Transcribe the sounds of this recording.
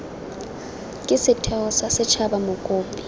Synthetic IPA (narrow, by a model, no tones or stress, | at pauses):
kʼɪsɪtʰɛʊsasɪt͡ʃʰabamʊkʼoːmbʼi